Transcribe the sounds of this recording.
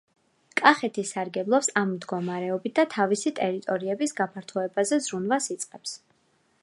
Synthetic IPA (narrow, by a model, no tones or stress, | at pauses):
kʼaχɛt̪ʰisaɾɡɛblˠɔpsammd̪ɡɔmaɾɛɔbit̪̚ʰd̪at̪ʰavisit̪ʼɛɾit̪ʼɔɾiɛbisɡapʰaɾt̪ʰɔɛbazɛzɾunvasit̪sʼqʼɛps